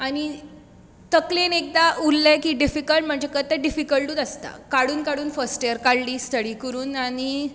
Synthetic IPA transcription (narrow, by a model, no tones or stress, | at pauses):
añi | t̪əklenek̚d̪aʔulːekiːɖifikəlʈm̤əɳd͡ʑekət̪ːəɖifikəlʈuːt̪əst̪a̰kaɽuːnkaɽuːnfəsʈejəɾkaɽliːst̪ʰəɽiːkəɾuːnani